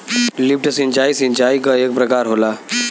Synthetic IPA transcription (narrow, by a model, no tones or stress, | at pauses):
lip̚ʈsĩnt͡ʃaisĩnt͡ʃaikəek̚pɾəkaɾɦola